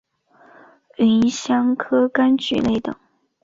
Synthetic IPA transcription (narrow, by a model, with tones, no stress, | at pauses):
i˧˥nɕjɑ˥ŋkʰɤ˥ka˥nt͡ɕy̰˧˥ne˥˩ɪt̪ɤ̰˨˩˦ŋ